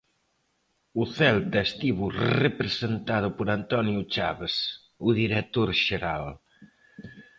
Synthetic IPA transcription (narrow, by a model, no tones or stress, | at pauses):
uθɛlt̪aest̪iβurepɾezent̪aðupoɾant̪ɔnjut͡ʃaβes | uðiɾek̚t̪oɾʒeɾal